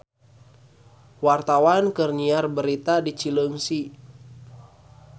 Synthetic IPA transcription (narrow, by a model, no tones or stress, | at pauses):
wart̪awankərniarbəɾit̪adit͡ʃiləŋsi